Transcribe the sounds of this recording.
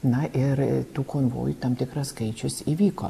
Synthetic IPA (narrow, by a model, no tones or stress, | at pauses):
nɐʔɪɾt̪uːkoːnʋo̰ːjut̪ɐmt̪ʲɪkɾɐskɐɪt͡ʃʲʊsiːʋʲiːko̰ː